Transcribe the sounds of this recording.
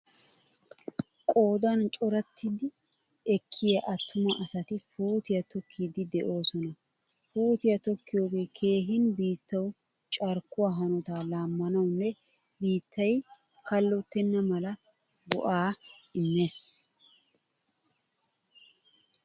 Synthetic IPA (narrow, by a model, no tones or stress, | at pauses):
kʼo̞ːd̪ɐnt͡ʃʼɔɾɐt̪ʰːɪd̪ɪ | ɛkʰːɪjɐʔɐt̪ːʊmɐʔɐsɐt̪ɪfuːt̪ɪjɐt̪ɔkʰːiːd̪ɪd̪ɛʔo̞ːsɔnɐ | fuːt̪ɪjɐt̪ɔkːɪjo̞ːɡe̞ːkʰe̞ːɦɪnbiːt̪ːɐw | t͡ʃʼɐɾkːʊwaːɦɐnɔt̪aːlaːmːɐnɐwnːɛ | biːt̪ʰːɐj | kɐlːɔt̪ːɛnːɐmɐlɐ | ɡɔ̰ʔaːɪmːes